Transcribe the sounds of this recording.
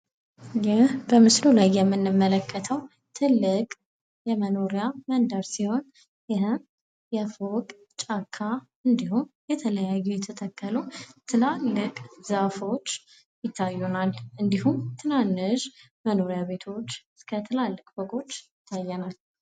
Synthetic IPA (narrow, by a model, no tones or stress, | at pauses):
jɪhbəmɨslulajːɛmːɨnːɨmːələkʰːət̪ʰəw | t̪ʰɨlːɨkʼ | jɛməno̞ɾijamənd̪əɾsiho̞n | jɪɦɨm | jɛfokʼ | t͡ʃʼakʰːa | ɨnd̪ihumjɛt̪ʰələjajːɛjɛt̪ʰət̪ʰəkːələt̪ʰɨlalːɨkʼzafo̞t͡ʃː | jɪt̪ʰːajːunalʔɨnd̪iɦumt̪ʰɨnanːɨʃ | məno̞ɾjaβe̞t̪ʰo̞t͡ʃːɨskʰət̪ʰɨlalːɨkʼbəkʼo̞t͡ʃːjɪt̪ʰːajːɛnal